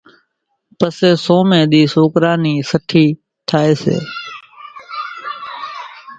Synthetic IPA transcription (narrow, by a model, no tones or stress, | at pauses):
pəseːsoːmẽːɗ̪iːsoːkɾaːniːsəʈʰiː | t̪ʰaːeːsḛː